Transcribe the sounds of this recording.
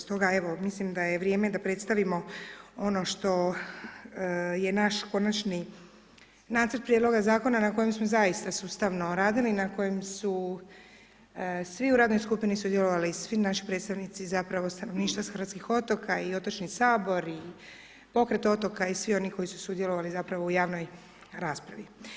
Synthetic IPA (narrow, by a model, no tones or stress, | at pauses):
st̪o̞ɡae̞ʋo̞mislimd̪ajeʋɾje̞ːme̞d̪apɾe̞t̪st̪aʋimo̞o̞no̞ʃt̪o̞ | je̞naʃko̞nat͡ʃni | naːt̪sərt̪pɾjed̪lo̞ɡazaːko̞nanako̞jemsmo̞zajist̪asuːst̪aʋno̞ɾaːd̪ilinako̞jemsu | sʋiuɾaːd̪no̞jskupinisud̪jeloʋalisʋinaʃi̥pɾed̪st̪aʋnit̪sizapɾaʋo̞st̪anoʋniːʃt̪ʋasxɾʋat̪skixo̞t̪o̞kʰaio̞t̪ot͡ʃnisaːbo̞ɾi | po̞kɾet̪o̞t̪o̞kaisʋio̞niko̞jisu̥sud̪jeloʋalizapɾaʋoujaːʋno̞j | ɾaːspɾaʋi